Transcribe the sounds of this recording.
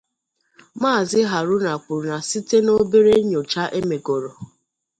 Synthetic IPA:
maː˦˨zɪ˦ɦa˨ɾʊ˦na˨k͡pu˨ɾu˨na˨si˦te˦no˦be˦ɾe˦ɲo˨t͡ʃa˦ʔe˦me˨ɡo˨ɾɔ˨

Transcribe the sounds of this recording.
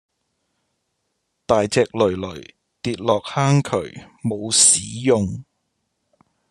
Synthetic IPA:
t̪aː˨jt͡sɛː˧k̚lɵ˨˩ɥlɵ˨˩ɥ | t̪iː˧t̚lɔː˨k̚haː˥ŋkʰɵ˨˩ɥmo˨˧wsiː˨˥jʊ˨ŋ

